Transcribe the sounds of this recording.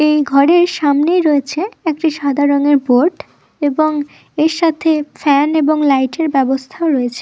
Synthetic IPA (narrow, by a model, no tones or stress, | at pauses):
ejɡʱɔɾeɾʃamnejɾɔet͡ɕʰeek̚ʈiʃad̪ʱaɾoŋeɾboɾʈ | eboŋ | eɾʃat̪ʰefɛneboŋlajʈeɾbɛbost̪ʰaoɾɔet͡ɕʰe̥